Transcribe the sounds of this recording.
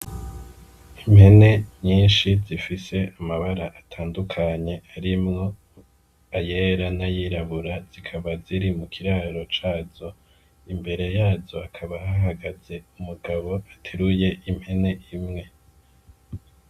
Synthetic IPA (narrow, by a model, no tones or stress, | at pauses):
imhe̞ne̞ɲɲiːnʃizifise̞amaβaɾaʔatʰaːndukʰaɲe̞aɾimŋo̞ | aje̞ɾanajiːɾaβuɾaz̥ikʰaβaziɾimukʰiɾaːɾo̞t͡ʃaːzo̞ | imbe̞ɾe̞jaːzo̞akʰaβahaɦaɡaze̞umuɡaβo̞atʰeɾuje̞ʔimhe̞ne̞ʔimŋe̞